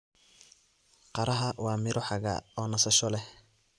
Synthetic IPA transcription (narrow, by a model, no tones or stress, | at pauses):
qɑɾɐɦɐwɑːmɪɾɔħɑɣɐ̰ɔːnɐsɐʃɔlɛh